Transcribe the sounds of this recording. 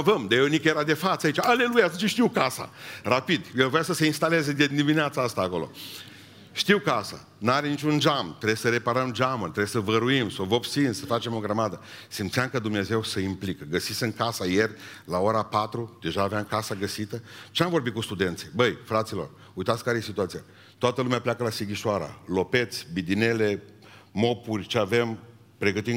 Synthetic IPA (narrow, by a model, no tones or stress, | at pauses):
vəmd̪eonikjeɾad̪e̞fat̪səait͡ʃaale̞lujat̪unt͡ʃeʃt̪iwkasa̰rapid̪jelvojasəse̞inst̪ale̞zed̪d̪imineat̪saast̪aːko̞lo̞̰ | ʃt̪iwkasa̰ | nuaɾe̞nit͡ʃund͡ʒamt̪ɾebsəɾe̞paɾəmd͡ʒamət̪ɾesəvəɾuimsovo̞psinsəfat͡ʃemo̞ɡɾəmad̪ə | simt̪siamkəd̪umne̞ze̞wsəimplikəɡəsitsɨŋkasaje̞rʲlaoɾapat̪ɾud̪̥e̞ʒaːveaŋkasaɡəsit̪ət͡ʃeamvo̞rbitkust̪ud̪e̞nt̪sibəjfɾat̪silo̞̰r | ujt̪at̪sʲkaɾeje̞sit̪uat̪sija | t̪oat̪əlumeapljakəlasiɡʲiʃoaɾa̰lo̞pe̞t̪sʲbid̪ine̞le̞ː | o̞purʲt͡ʃeave̞m | pɾe̞ɡət̪i